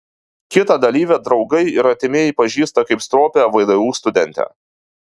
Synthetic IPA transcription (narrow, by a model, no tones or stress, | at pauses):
kʲɪt̪ɐd̪ɐlʲiːʋʲɛd̪ɾɒʊɡɐɪɪɾɐt̪ʲɪmʲeːɪpɐʒʲiːst̪ɐkɐɪpst̪ɾoːpʲɛʋɐɪd̪ɐʋuːst̪ʊd̪ʲɛnʲt̪ʲɛ̰ː